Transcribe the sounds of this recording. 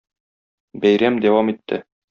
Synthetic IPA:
bæjɾæmd̪æwɑmit̪ʰːɘ̰

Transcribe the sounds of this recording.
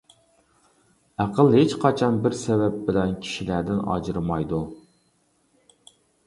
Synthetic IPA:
æqʰəlˠhet͡ʃqʰɑt͡ʃʰɑnbɪɾsɛvɛp̚bɪlɛnkʲʰi̥ʃilæɾd̪ɪnɑ̰d͡ʒɨɾɨmɑjd̪u

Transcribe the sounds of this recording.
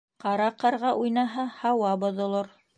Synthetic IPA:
qɑɾɑqɑɾʁɑʔujnɑɦɑhɑwɑbŏðŏlˠoɾ

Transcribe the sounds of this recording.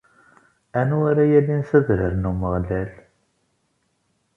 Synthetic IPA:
ænuaɾæjælinθæðɾəɾnuməʁlæl

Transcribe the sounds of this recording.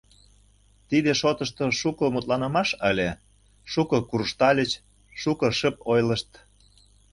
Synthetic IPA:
t̪id̪eʃot̪əʃt̪oʃukŏmut̪lɑnə̆mɑʃəlʲe | ʃukŏkurʃt̪ɑlʲət͡ɕ | ʃukɤ̆ʃəp̚ojləʃt̪

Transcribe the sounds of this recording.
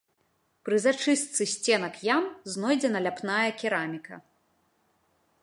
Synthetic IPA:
pɾɨzat͡ʂɨst̪sɨsʲt͡sʲɛnɐkjamznɔjd͡zʲɛnɐlʲapnajɐkʲiɾamʲikɐ̰

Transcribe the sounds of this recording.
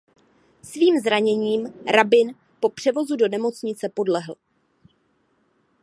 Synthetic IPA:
sviːmzɾaɲɛɲiːmɾabɪn | po̞pr̝̥ɛvo̞zudo̞nɛmo̞t͡sɲɪt͡sɛpo̞dlɛɦl̩

